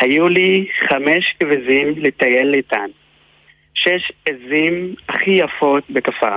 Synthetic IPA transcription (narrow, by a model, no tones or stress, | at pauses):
hajuliχameʃkevezimlet̪aje̞lːeit̪an | ʃeʃezimaχijafo̞t̪bekafa̰